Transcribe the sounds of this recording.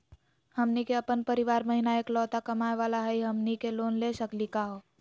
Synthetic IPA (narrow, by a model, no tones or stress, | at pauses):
həmnikeəpənpəɾɪʋaːɾməɦinaeːklɔːt̪akəmaeʋaːlaɦəiɦəmnikeloːnlesəklikaɦoː